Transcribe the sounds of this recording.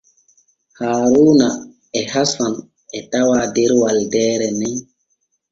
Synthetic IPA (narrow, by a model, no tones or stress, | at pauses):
haːɾuːna | ɛhasan | ɛtawaːdeɾwaldɛːɾɛnɛ